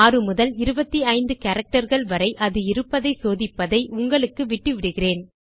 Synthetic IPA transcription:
aːrɯmʊðɐlɪɾɯbɐt̪ːiɐɪnd̪ɯkɐɾɐk̚ʈɐɾɣɐɭʋɐɾɐɪʔɐðɯɪɾɯpːɐðɐɪsoːðɪpːɐðɐɪʔʊŋɡɐɭɯkːɯʋɪʈːɯʋɪɽɯɣɪreːn

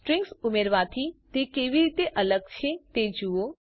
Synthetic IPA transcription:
ʈɾɪ̃ŋɡsʊmeɾʋat̪ʰit̪ekeːʋiɾiːt̪eʔələɡ̚t͡ʃʰet̪ed͡ʒuo

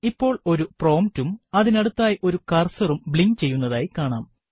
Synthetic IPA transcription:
ipːo̞ːɭo̞ɾupro̞ːmtumɐðinɐɽut̪ːaːjiʔo̞ɾukɐrsɐrumbɭiŋɡ̚t͡ɕe̞jːun̪ːɐðaːjikaːɳaːm

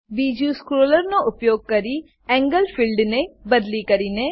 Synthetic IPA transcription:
biːd͡ʒjuːskɾoːləɾnoʔʊpjoːɡ̚kɐɾi | ɛ̃ːŋɡəlpʰilɖnebɐd̪likɐɾiːne

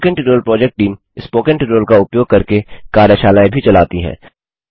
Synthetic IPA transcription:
kẽɳʈɪʈɾoːlpɾɔːd͡ʒɛk̚ʈ̚ʈːiːm | ɪspoːkə̃ɳʈɪʈɾoːlkaʊpjoːɡ̚kɐɾkekaːɾjəʃaːlaːẽbʱit͡ʃɐlaːt̪iɦɛ̰̃ː

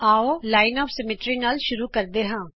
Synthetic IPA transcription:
aːoːlaːɪnɔːfsɛmeːʈɾiːnaːlʃʊɾuːkəɾd̪eːɦãː

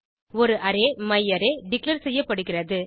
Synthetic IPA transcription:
ɔɾɯʔɐɾeːmɐjːɐɾeːɖɪklɐɾsɛjːɐpːɐɽɯɣɪrɐðɯ

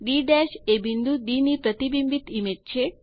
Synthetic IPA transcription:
ɖiɖɛʃebʱind̪ʱud̪inipɾət̪ibimbit̪imed͡ʒt͡ʃʰe

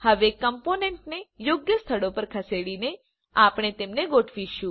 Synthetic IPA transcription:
həʋekəmponeɳʈnejoɡjəst̪ʰəɭopəɾkʰəseɽine | apɽ̃et̪emneɡoʈʰʋiʃũ

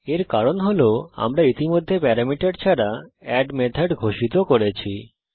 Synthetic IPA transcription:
eɾkaɾonɦoloa̰mɾait̪imod̪ʱːepɛɾamiʈaɖt͡ɕʰaɾaɛɖmet̪ʰaɖɡʱoʃit̪okoɾet͡ɕʰi

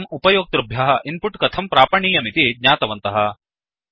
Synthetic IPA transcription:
mupɐjoːk̚t̪ɾubʱjɐɦɐʔinpuʈkɐt̪ʰɐmpɾaːpɐɳiːjɐmit̪iɡɲaːt̪ɐʋɐnt̪ɐɦɐ̆

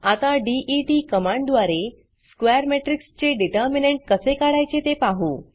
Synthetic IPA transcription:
at̪aɖiʔiʈikəmãɳɖd̪ʋaɾe | skʋejɾmeʈɾikst͡ɕeɖiʈəɾmineɳʈ̚kəsekaɽajt͡set̪epaɦu

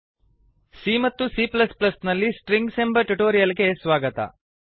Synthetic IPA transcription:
simɐt̪ːusiːplɐsplɐsnɐlːisʈɾiŋɡsembɐʈuʈoːɾijɐlɡe̞sʋaːɡɐt̪ɐ̰

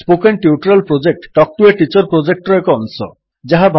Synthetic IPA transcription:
spokenʈiuʈɾelpɾod͡ʑek̚ʈʈɔk̚ʈueʈit͡ɕɔɾpɾod͡ʑek̚ʈɔekoɔnsɔ̰ | d͡ʑaɦabʱ

